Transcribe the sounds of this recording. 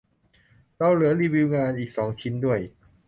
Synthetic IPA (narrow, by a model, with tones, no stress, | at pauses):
la˥˩wlɯ˨˩˦liː˧bi˧wŋaː˧nʔiː˨˩k̚sɔː˩˦ŋt͡ɕʰi˦˥ndu˥˩əj